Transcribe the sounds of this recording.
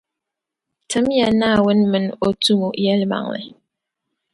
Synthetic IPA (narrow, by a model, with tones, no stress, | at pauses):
tɨ˨˦mja˨na˦˨wə˦nmə˨no˦tu˦mo˨ʔjɛ˦lma̰˨ŋlɛ̰˨